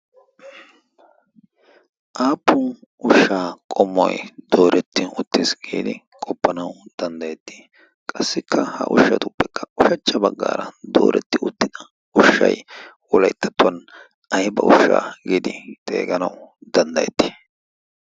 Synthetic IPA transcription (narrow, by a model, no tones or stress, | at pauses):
ʔaːpːʊnʊʃːaːkʼɔmːɔjd̪̥o̞ːɾʔɛt̪ːɪʊt̪ːɪsɡiːd̪ɪ | kʼɔpːɐnɐwd̪ɐnd̪ɐjɛt̪ːi̥ː | kʼɐsːɪkʰːɐhɐ̰ʔʊʃːɐ̰t̪ʊpːɛkːɐʊʃɐt͡ʃːɐbɐɡːa̰ːɾɐd̪o̰ːɾʔɛt̪ːɪʊt̪ːɪd̪ɐ | ʊʃːɐ̰j | wɔlɐjt̪ːɐ̥t̪ːʊɐn | ɐjbɐʔʊʃːa̰ːɡiːd̪ɪt̪ʼḛːɡɐnɐwd̪̥ɐnd̪ɐjɛt̪ːi̥